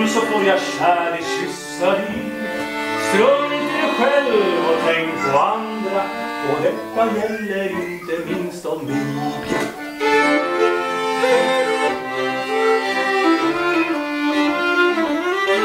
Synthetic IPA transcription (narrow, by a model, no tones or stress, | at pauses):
sɔkʰɔɾjaɕæːɾɪɕʏsːaɪ | st̪ɾœmːt̪ʰɪɛɧɛlvɔt̪ʰɛŋkpʰɔand̪ɾaɔd̪ɛt̪ːajɛlːəɾɪnt̪əmɪnst̪ɔmd̪ʉ̰